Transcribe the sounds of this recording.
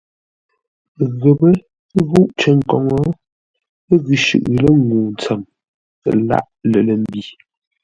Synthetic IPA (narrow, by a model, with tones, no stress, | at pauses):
ɣə˨bə˦ | ɣu˦ʔt͡ʃə˦˨ŋ̩˨kɔ˨ŋɔ˦ | ɣʉ˨ʃʉ̰˨ʔlə˦ŋɡuː˨n˨t͡sɛ˨m˨ | la̰˦ʔlə˨lə˨m̩˦bi˨